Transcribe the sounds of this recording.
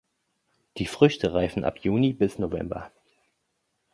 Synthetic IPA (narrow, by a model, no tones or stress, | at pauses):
d̥iːfʁ̥ʏçtʰəʁaɪfn̩ʔa̰pʰjuːnibɪsnovɛ̰mbɐ̰